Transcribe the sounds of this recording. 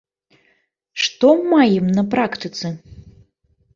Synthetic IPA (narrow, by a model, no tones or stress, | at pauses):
ʂt̪ɔmajɛmnɐpɾakt̪ɨt̪sɨ